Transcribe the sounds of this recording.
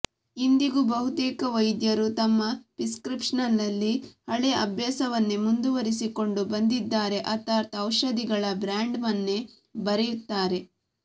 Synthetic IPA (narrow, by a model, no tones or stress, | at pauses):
ind̪iɡubɐɦut̪iːkɐʋɐjd̪jɐɾut̪ɐmːɐpiskɾipʂɐnɐlːɐlːihɐɭeɐbʱjaːsɐʋɐnːemund̪uʋɐɾisiko̞ɳɖubɐnd̪id̪ːaːɾe̞ʔɐt̪aːt̪ɐwʃɐd̪iɡɐɭɐbɾaːɳɖmɐnːe̞ | bɐɾejut̪ːaːɾe̞